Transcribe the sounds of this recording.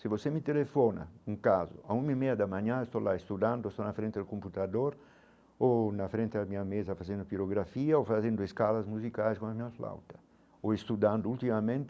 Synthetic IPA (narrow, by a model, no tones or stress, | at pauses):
sivosemit̪elefɔna̰uŋkazʊ̰aumimejad̪amãɲãest̪olaest̪ud̪ãnd̪ʊest̪onafɾẽnt̪ed̪lkomput̪ad̪oɾ | onafɾẽnt̪ed̪amiɲamezɐfazẽnd̪ʊpiɾoɡɾafiaofazẽnd̪ʊeskalazmuzikajskõnamiɲafla̰wt̪ɐ̥ | oest̪ud̪ãnd̪ʊult̪imamẽnt̪